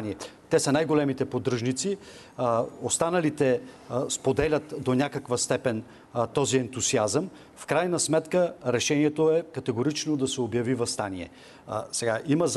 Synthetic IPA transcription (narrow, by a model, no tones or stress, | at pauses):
niɛt̪ɛsɐnajɡolɛmit̪ɛpod̪ɾɤʒnit̪si | ost̪anɐlit̪ɛspod̪ɛlʲɐt̪d̪onʲakəkvɐst̪ɛpɛn | t̪ɔziɛnt̪uziazəm | fkɾajnɐsmɛt̪kəɾɛʃɛniɛt̪oɛkɐt̪ɛɡoɾit͡ʃnod̪ɐsɛobjɐvivɐst̪aniɛ̰ | sɛɡaʔiməz